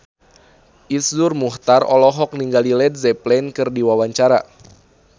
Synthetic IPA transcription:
ʔisdurmuht̪arɔlɔɦɔk̚niŋɡalilɛd̚zɛplɛnkɨrdiwawaɲt͡ʃaɾa

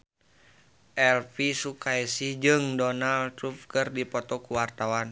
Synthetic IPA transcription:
ʔɛlpisukaisihd͡ʒɨŋdɔnalt̪ɾup̚kɨrdipɔt̪ɔkuwart̪awan

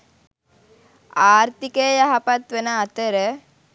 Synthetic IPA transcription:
aːɾt̪ikejɐɦɐpɐt̪ʋenɐːt̪əɾə

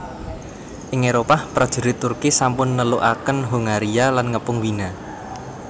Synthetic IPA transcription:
ʔɪŋeɾopahpɾad̥ʒ̥ə̤ɾit̪ʊrkisampʊnːəlʊʔakənɦuŋaɾialanŋəpʊŋwina

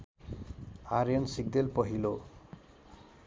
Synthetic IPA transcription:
aɾjɔnsik̚d̪elpɔɦilo

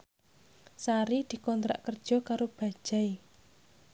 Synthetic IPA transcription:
saɾid̪̥i̤kɔnt̪ɾa̰ʔkərd̥ʒ̥ɔ̤kaɾob̥a̤d̥ʒ̥a̤i

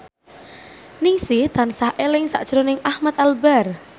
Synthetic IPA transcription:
niŋsɪht̪ansahʔelɪŋsa̰ʔd̥ʒ̥ɾonɪŋʔahmat̪albɛr

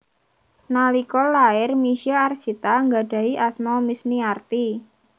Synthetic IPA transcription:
nalikɔlːaɪrmisiaarsit̪aŋɡa̤ɖ̥a̤iʔasmɔmisniart̪i

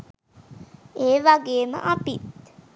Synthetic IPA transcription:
eːʋaɡeːmə̰ʔapit̪̚

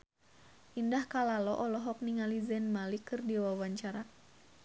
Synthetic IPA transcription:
ʔindahkalalɔʔɔlɔɦɔk̚niŋalizɛnmalikɨrdiwawaɲt͡ʃaɾa

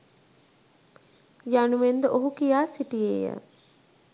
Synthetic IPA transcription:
januʋend̪əʔoɦukijaːsiʈijḛjə̰

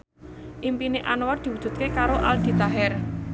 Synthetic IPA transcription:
ʔimpineʔanoward̪̥i̤wud̥ʒ̥ṳt̪̚kekaɾoʔald̪̥i̤t̪aɦɛr

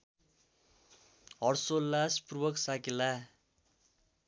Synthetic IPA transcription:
ɦʌrsolːaspurbʌksakila

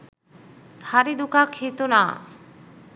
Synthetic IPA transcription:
haɾid̪ukakʰːit̪ona̰

